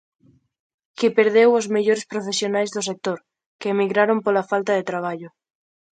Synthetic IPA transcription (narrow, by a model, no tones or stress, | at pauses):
kipeɾðewozmeʎoɾespɾofesjonajzðosek̚t̪oɾ | keːmiɣɾaɾompolafalt̪aðet̪ɾaβ̞aʎʊ